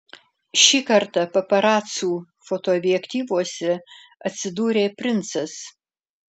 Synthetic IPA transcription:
ʃʲiːkɐɾt̪ɐpɐpɐɾɑːt̪suː | fot̪oɔbʲɪjɛkt̪ʲiːʋuɔsʲɛ | ɐt̪ʲsʲɪd̪uːɾʲeːpʲɾʲɪnt̪sɐs

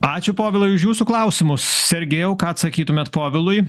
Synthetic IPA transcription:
ɑːt͡ʃʲʊpoːʋʲɪlˠʊɪʊʃjuːsuklˠɐʊsʲɪmʊssʲɛɾʲɡʲeːjɛʊkɑːɐt̪sɐkʲiːt̪ʊmʲɛːt̪poːʋʲɪlˠʊɪ

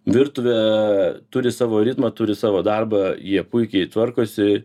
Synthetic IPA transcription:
ʋʲɪrt̪ʊʋʲɛt̪ʊɾʲɪsɑːʋoːɾʲɪt̪mɐt̪ʊɾʲɪsɑːʋoːd̪ɐrbɐjiɛpʊɪkʲɛɪt̪ʋɐrkoːsʲɪ

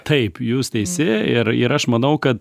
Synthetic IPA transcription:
t̪ɐɪpjuːst̪ʲɛɪsʲɪɪɾɪ̰ɾɐʃmɐnɐʊkɐt̪̚

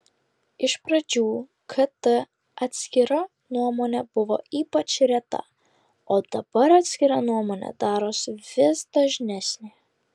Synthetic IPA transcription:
ɪʃpɾɐd͡ʒʲuː | kʰɐt̪ɐ | ɐt̪ʲsʲkʲɪɾɐ | nuɔmoːnʲɛb̥ʊʋo̰ːiːpɐt͡ʃɾʲɛt̪ɐ̰ | oːd̪̥ɐbɐɾɐːt̪ʲsʲkʲɪɾɐnuɔmoːnʲɛ̰d̪ɑːɾoːsʋʲɪsd̪ɐʒʲnʲɛsʲnʲe

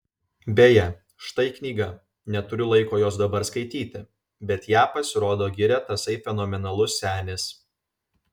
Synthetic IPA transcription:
bʲeːjɛ | ʃt̪ɐɪknʲiːɡɐ | nʲɛt̪ʊɾʲʊlˠɐɪkoːjoːsd̪ɐbɐɾskɐɪt̪ʲiːt̪ʲɪ | bʲɛt̪jæːpɐsʲɪɾoːd̪oːɡʲɪɾʲɛt̪ɐsɐɪfʲɛnoːmʲɛnɐlˠʊsːʲæːnʲɪs

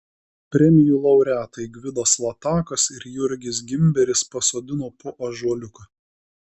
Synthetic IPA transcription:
pʲɾʲɛmʲɪjuːlˠɐʊɾʲæːt̪ɐɪɡʋʲɪd̪oslˠɐt̪ɑːkɐsɪɾjʊɾʲɡʲɪs̬ɡʲɪmʲbʲɛɾʲɪspɐsoːd̪ʲɪnoːpʊʔɐʒuɔlʲʊkɐ

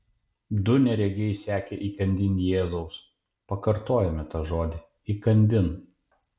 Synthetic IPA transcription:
d̪ʊnʲɛɾʲɛɡʲɛɪsʲæːkʲɛʔiːkɐnʲd̪ʲɪnʲjeːzɐʊs | pɐkɐɾt̪oːjɛmʲɪt̪ɑːʒoːd̪ʲɪ | iːkɐnʲd̪ʲɪn

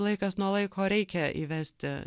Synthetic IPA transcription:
lˠɐɪkɑsnuɔlˠɐɪkʰoːɾʲɛɪkʲɛʔḭːʋʲæsʲt̪ʲɪ

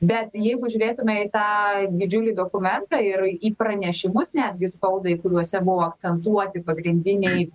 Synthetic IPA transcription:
bʲɛt̪jɛɪɡʊʒʲuːʋʲeːt̪ʊmʲɛit̪ɑːd̪ʲɪd͡ʒʲʊlʲid̪oːkʊmʲɛnt̪ɐɪriːpɾɐnʲɛʃʲɪmʊsnʲæːd̪ʲɡʲɪspɐʊd̪ɐɪkʊɾʲuɔsʲɛbʊʋoːɐk̪̚t͡s̪ʲɛnt̪uɔt̪ʲɪpɐɡɾʲɪnʲd̪ʲɪnʲɛɪ

